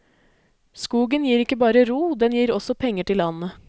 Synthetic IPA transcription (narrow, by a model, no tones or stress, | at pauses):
skuːɡənjiːɾɪkːəbɑːɾəɾuːd̪ɛnjiːɾɔsɔpʰɛŋːəʈɪlɑnːə